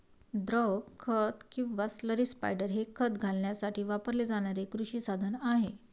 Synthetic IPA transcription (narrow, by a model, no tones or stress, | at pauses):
d̪ɾɔɡkʰːət̪kĩʋasləɾiːspa̰jɖəɾɦekʰət̪ɡʱalɳjasaʈiːʋapəɾled͡zaɽ̃aɾekɾuɕiːsad̪ʱənaɦe